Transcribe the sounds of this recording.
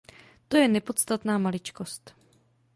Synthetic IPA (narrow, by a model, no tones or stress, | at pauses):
t̪o̞jɛnɛpo̞t̪st̪at̪naːmalɪt͡ʃko̞st̪